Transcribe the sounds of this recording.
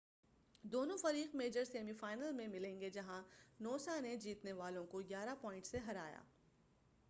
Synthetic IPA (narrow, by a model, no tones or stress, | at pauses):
d̪oːnõfɐɾiːqmeːd͡ʒəɾseːmifaːɪnəlmẽmɪlẽːŋɡed͡ʒɐɦãnoːsaned͡ʒiːt̪neʋaːlõkoɡjaːɾapɔːɪ̃ɳʈseɦɐɾaːja̰ː